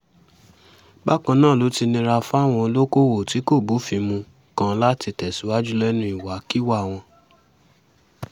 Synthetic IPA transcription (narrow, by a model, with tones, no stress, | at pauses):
ba˦kã˧nãː˦˨lo˨˦ti˧nĩ˧ɾa˧fa˦˨w̃ɔ̃˧o˧lo˦ko˦˨wo˨ti˨˦ko˦˨bu˨˦fi˧mũ˧ | kã˧la˦ti˧tɛ˨su˨˦wa˦d͡ʒu˦lɛ˦nũ˧˦i˨wa˨˦ki˦wa˦˨w̃ɔ̃˧